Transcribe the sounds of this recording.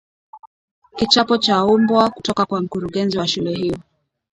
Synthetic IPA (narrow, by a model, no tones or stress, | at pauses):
kit͡ʃapɔt͡ʃaumbwakutɔkakwam̩kuɾuɠɛnziwaʃulɛɦiɔ